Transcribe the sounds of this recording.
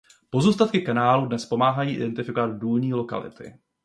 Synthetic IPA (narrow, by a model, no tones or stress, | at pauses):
po̞zuːst̪at̪kɪkanaːludnɛspomaːɦajiːʔɪ̰dɛnt̪ɪfɪkovad̪duːlɲiːlo̞ka̰lɪ̰t̪ɪ̰